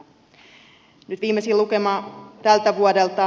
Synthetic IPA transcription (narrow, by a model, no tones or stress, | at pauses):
nyt̪ʋiːmːesiːlukemɑːt̪ælt̪æʋuodelt̪ɑ